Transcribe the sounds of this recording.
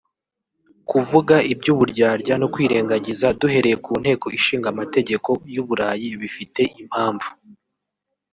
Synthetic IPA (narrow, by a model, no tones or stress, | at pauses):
kuvuɡaibɟuːβuɾɟaːɾɟanokwiːɾe̞ːŋɡaɟizaduɦe̞ɾe̞je̞kuːn̥he̞ːko̞iʃiːŋɡamate̞ɟe̞ko̞juːβuɾaːjiβifite̞ʔim̥haːɱvu